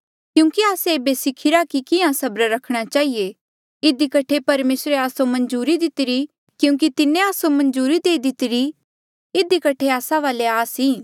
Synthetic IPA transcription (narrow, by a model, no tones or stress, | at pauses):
kjũːkiaːseeːbesɪkʰɪɾakikɪãsɐbɾɾɐkʰɽ̃at͡ʃaːɦije | ɪd̪ikɐʈʰepɐɾmeːsɾeaːsomɐ̃nd͡ʒuːɾid̪ɪt̪ɪɾi | kjũːk̬it̪ɪnẽaːsomɐ̃nd͡ʒuːɾid̪eːid̪ɪt̪ɪɾi | ɪd̪ikɐʈʰeaːsãʋaːleaːsiː